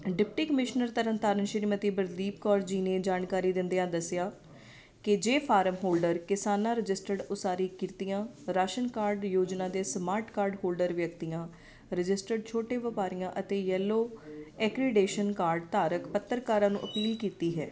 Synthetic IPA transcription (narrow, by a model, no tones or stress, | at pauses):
ɖɪp̚ʈiːkəmɪʃnəɾt̪əɾə̃nt̪aːɾənʃɪɾmət̪iːbəɾliːp̚kɔːɾd͡ʒiːneːd͡ʒaːnkaːɾiːd̪ɪnd̪eãːd̪əsɪjaː | kɪd͡ʒeːpʰaːɾəmɦoːlɖəɾkɪsaːnãːɾɪd͡ʒɪsʈəɖʊsaːɾiːkɪɾt̪ijãːɾaːʃənkaːɾɖjoːd͡ʒnãːd̪eːsmaːɾʈkaːɾɖɦoːlɖəɾʋjəkt̪ijãː | ɾɪd͡ʒɪsʈəɖ̚t͡ʃʰoːʈeːʋəpaːɾijãːʔət̪eːjɛːlːoːɛːkɾɪɖeːʃənkaːɾɖt̪aːɾəkpət̪ːəɾkaːɾãːnṵ̃ːʔəpiːlkiːt̪iːɦɛ̰ː